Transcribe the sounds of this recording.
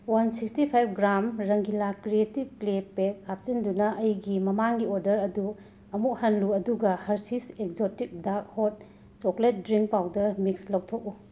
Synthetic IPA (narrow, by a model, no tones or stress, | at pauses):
wɐnsikstipʰajp̚ʰɡɾamɾɐŋɡilakɾietib̚klepek̚ːap̚t͡ʃindunɐʔɐjɡimɐmaŋɡioɾdɐɾɐdu | ɐmuk̚hɐnluɐduɡɐhɐɾsisek̚zotik̚dak̚hot̚ | t͡ʃoklet̚dɾiŋk̚pawdɐmikslɐw̚tʰok̚u